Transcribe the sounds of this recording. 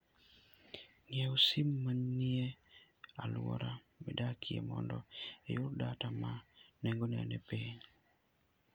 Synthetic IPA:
ŋɪɛosimːanːie | alʊwɔ̰ɾa | mɛdakʰiḛmɔndɔejʊɾdatamanɛŋɡonɛanepiɲ

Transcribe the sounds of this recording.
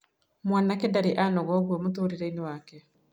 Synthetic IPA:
mwaːnakedaɾiʔanɔɣɔɡwɛmotoɾiɾɛiniwakɛ

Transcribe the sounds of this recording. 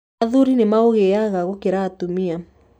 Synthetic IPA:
aðuɾinemaoɣeaɣaɣokeɾaːtumia

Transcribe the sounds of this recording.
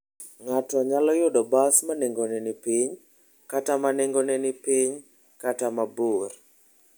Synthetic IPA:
ŋatɔɲalɔjʊdɔbasmaneŋɡonɛnɪpiɲ | katamaneŋɡonɛnɪpiɲ | katamabor

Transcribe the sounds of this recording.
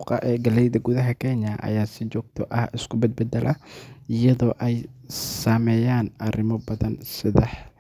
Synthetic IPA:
qɑ̰ʔɛːɡɐlɛjðɐɡʊðɐɦɐkʰɛnɐʔɐ̰jaːsɪt͡ʃɔːɡ̚t̪ʰɔʔɐhɪskʰʊbɛd̪̚bɛd̪ɛlʔɐɪjɐðɔːʔɛjsaːmɛːjaːnɐrɪmɔbɐðɐnsɪðɐħ

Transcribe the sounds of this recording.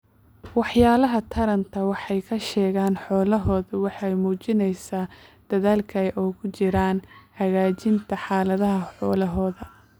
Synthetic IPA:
wɑħjaːlɐɦɐt̪ʰɐɾɐnt̪ʰɐwɑħɑjkʰɐʃɛːɣaːnħɔːlɐɦɔːðɐwɑħɑjmuːt͡ʃɪnɛjsaːd̪̥ɐðaːlkʰɐɛʔɔːkʰʊt͡ʃɪɾaːnhɐɣaːt͡ʃɪnt̪ʰɐħɑːlɐðɐɦɐħɔːlɐɦɔːðɐ

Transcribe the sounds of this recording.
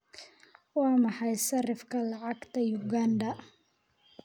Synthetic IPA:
wɑːmɑħɑjsɐrɪfkʰɐlɑʕɑɡt̪ʰɐjʊɡaːnd̪ɐ

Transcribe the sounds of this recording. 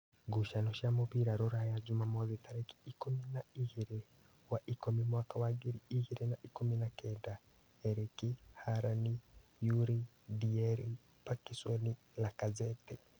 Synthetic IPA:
ɡuʃanɔʃamoβiɾaɾɔɾajad͡ʒumamɔzitaɾeki̥ikuminaiɣiɾe | waʔikɔmimwakawaɡiɾiiɣiɾenaʔikuminakɛːnda | ɛɾikihaɾanijuɾi | diɛɾi | pakisɔni | lakazɛtɛ

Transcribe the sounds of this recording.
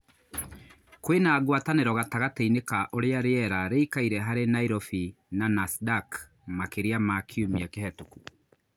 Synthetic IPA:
kwenaːɣwataneɾɔɣataɣateinekaʔoɾeaɾeɛɾaɾeikaiɾɛɦaɾenaiɾɔfi | nanasdak | makeɾeamakʰiumiakehɛtoku

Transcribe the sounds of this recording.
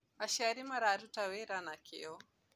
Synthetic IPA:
aʃaɾimaɾaɾutawɛɾanakḭɔ

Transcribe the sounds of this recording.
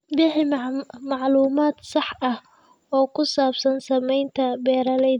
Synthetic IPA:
bɪħɪmmɑʕluːmaːd̪sɑħɐh | ɔːkʰʊsaːbsɐnsɐmɛjnt̪ʰɐbɛːɾɐlɛ

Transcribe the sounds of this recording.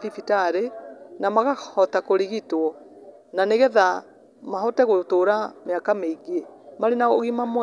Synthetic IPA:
ifitaɾenamaɣahɔtakoɾiɣitwɔ | naneɣɛða | mahɔtɛɣotoɾameakameiɡemaɾenaoɣimamw

